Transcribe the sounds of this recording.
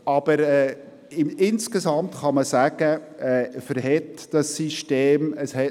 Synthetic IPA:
ɑb̥əɾɛː | ɪɪnskesɑmt̪χɑməsæɡ̥əɛːfəɾhɛtd̥ɑsːiʃteːməshɛ

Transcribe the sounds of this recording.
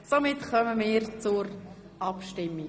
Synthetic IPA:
somɪtχœməmɪːɾt͡sʊɾ | ɑpʃtɪmːi

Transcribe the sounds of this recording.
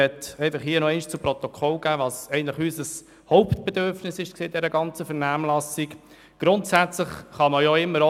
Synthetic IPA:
ɛt̪ɛɪfɑχhiːənɔɛɪnʃt͡sʊpɾɔt̪okʰɔlɡ̥æːʋɑsɛɪəntləχyːsəs | hɔʊptb̥ɛd̪øɾfnɪsɪʃkseːd̥ɛɾəɡɑnt͡səfɛɾnæːmlɑsik | ɡ̥ɾʊntsæt͡sləχχɑməjoɪmːəɾo

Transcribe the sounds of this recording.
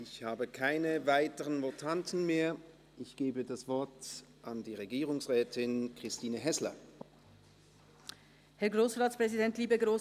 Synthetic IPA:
ʔɪçhaːbəkʰaɪnəvaɪtəʁənvotʰantn̩meːɐ | ʔɪçɡ̥eːbədasv̥ɔɐtʔandiːʁeɡiːʁʊŋsʁɛːtʰɪnkʁ̥ɪstiːnəɦɛslɐ̰ | hɛɐɡʁoːsʁaːt͡sspʁ̥ɛzidɛntliːbəɡʁoː

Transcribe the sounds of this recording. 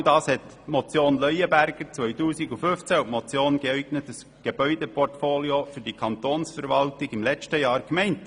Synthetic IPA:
dɑːshɛt | mɔt͡sjoːnlœjəbæɾɡ̥əɾt͡sʋœʏtuːsiɡufʏft͡sæumɔt͡sjoːnɡ̥eɛɪɡnətəs | ɡ̥eb̥œʏdepɔrtfoːliofyɾd̥ikʰɑntoːnsfəɾʋɑltɪɡɪmlɛt͡ʃtəjɑːɾkmɛɪnt

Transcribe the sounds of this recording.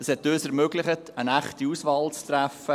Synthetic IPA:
əshɛtːøːsɛɾmøːɡlɪχətənæχtiusʋɑːlt͡stɾæfə

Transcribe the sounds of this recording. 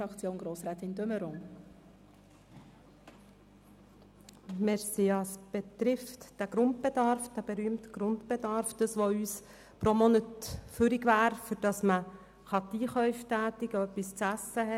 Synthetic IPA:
ɑkt͡sjoːnɡɾoːsɾɛːt̪ɪndøməɾoŋ | mɛɾsiɑsb̥et̪ɾɪftd̥æɡ̥ɾʊnt̚bed̪ɑɾfd̥̪æb̥eɾyːəmtɡ̥ɾʊntb̥ed̪ɑɾfd̥ɑsʋoyːs | pɾomɔnətfʏɾiɡʋæːɾfʏɾd̥ɑsmə | χɑt̪iːχœʏftæːt̪ɪɡ̥əœpːist͡sæsːəɦɛ

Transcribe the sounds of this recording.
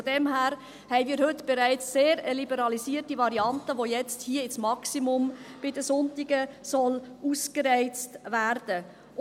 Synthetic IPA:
odɛmhæːɾ | hɛɪmiːɾhɵt̪b̥eɾæɪt͡sːeːɾəlibəɾɑlisiːərtivɑɾiɑntəʋojɛt͡sthiːəɪsmɑksimʊmb̥ɪdəsʊntɪɡ̥əsɔluːskəɾɛɪt͡stvæɾd̥ə

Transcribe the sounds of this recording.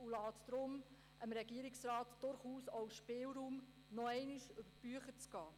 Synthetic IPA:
ulɑːtd̥̪ɾʊm | ʔəmɾɛɡiəɾɪksrɑːtd̥ʊɾχuːsowʃpɪːlɾuːm | nɔɛɪniʃʏb̥əb̥yəχət͡sɡ̥ɑː

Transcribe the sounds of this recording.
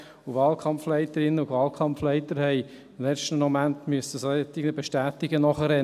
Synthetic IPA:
uvɑːlkʰɑmflɛɪt̪əɾɪnːəʊɡʋɑːlkʰɑmflɛɪt̪əɾhɛɪ | ɪmlɛt͡ʃtəmɔmænt̪myəsəsoɛt̪ɪɡnəbeʃtæːt̪ɪɡənɔχəɾɛ

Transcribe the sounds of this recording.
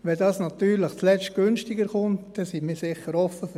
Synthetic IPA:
ʋɛdɑːsnɑt̪yːɾlɪχt͡slɛt͡ʃtɡ̥ʏnʃtɪɡəɾχʊntd̥ɛsinmiːɾsɪχəɾɔfːəf

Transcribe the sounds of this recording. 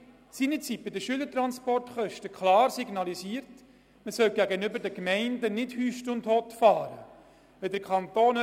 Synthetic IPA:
sinət͡sit̚b̥ɪdəʃyːlətɾɑnspɔrtχœʃtəkχlɑːɾsiɡnɑlisiːəɾt | məsœlɡ̥æɡənʏbəɾdəkmɛɪndənɪdhyːʃtʊnthotfɑːɾə | ʋɛdəɾkʰɑnt̪oːn

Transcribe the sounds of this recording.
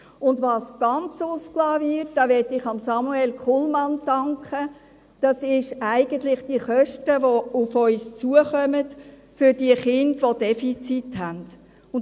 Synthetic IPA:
ʊndʋɑːsɡ̥ɑnt͡sʊsklɑːʋɪtd̥ɑʋɛtɪχɑmsɑmuɛlkʰʊlmɑnd̥ɑŋkχə | d̥ɑsɪʃæɪɡ̥əntlɪχd̥iəχœʃtəʋoʊfœʏst͡suəχœmət | fʏɾd̥iəχɪndʋod̥ɛfit͡sithænd̥ | ʊn

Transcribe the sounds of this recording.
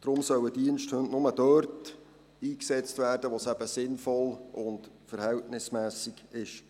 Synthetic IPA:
d̥ɾʊmsœwədiənʃthɵnʔnʊməd̥œːrt | iːksɛt͡stvæːrd̥əʋosæb̥əsɪnfɔlʔʊnt | fəɾhɛltnɪsmæːsiɡ̥ɪʃ

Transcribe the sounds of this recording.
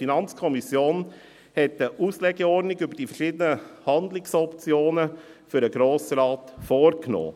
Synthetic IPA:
finɑnt͡skʰɔmisjoːn | hɛtəʔuːslɛɡ̥eɔɾdnɪɡʏbəɾd̥iːfəɾʃiːd̪ənəhɑnd̪lɪksɔpt͡sjoːnəfʏɾəɡɾoːsəɾɑːtfoːɾkno̰ː

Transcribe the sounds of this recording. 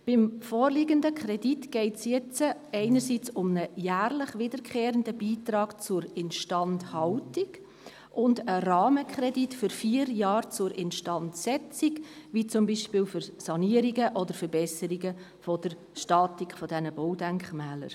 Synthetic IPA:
b̥ɪmfɔːɾlɪɡəndəkʰχɾɛditɡ̥ɛɪtsjɛt͡səɛɪnəɾsiːt͡sʊmnəjæːrlɪχʋɪdəɾkχeːɾəndəbiːtɾɑːɡ̥t͡sʊɾɪnʃtɑnthɑltɪɡ | ʔʊndəɾɑːməkχɾɛditfʏɾfiːəɾjɑːɾt͡sʊɾʔɪnʃtɑntsɛt͡siɡʋit͡sʊmbiːʃpɪːlfʏɾsɑniəɾiɡəʔɔdəɾfəɾbɛsəɾiɡə | fɔd̥əɾ | ʃtɑːtikʰfɔdɛnəbɔwdæŋkχmɛːlə̰ɾ

